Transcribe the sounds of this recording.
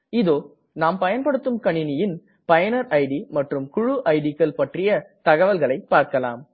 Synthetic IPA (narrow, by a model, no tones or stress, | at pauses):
ɪðoː | naːmpɐjɐnpɐɽɯt̪ːɯmkɐɳɪnɪjɪn | pɐjɐnɐɾɐɪɽimɐʈrɯmkʊɻʊʔɐɪɽikːɐlpɐʈrɪjɐt̪ɐɣɐʋɐlɣɐɭɐɪpːaːɾkɐla̰ːm